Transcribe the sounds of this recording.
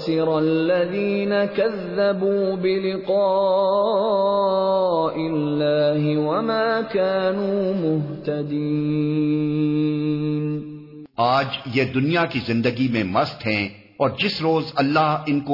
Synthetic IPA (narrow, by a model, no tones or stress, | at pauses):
sɪɾalːaðiːnakaðːabuːbɪlɪqɑː | ʔɪlːaːɦɪwamaːkaːnuːmʊɦt̪ad̪i | n | aːd͡ʒjeːd̪ʊnijakizɪ̃nd̪əɡimẽmɐst̪ɦɛ̃ | ɔːɾd͡ʒɪsɾoːzɐlːaɦɪnko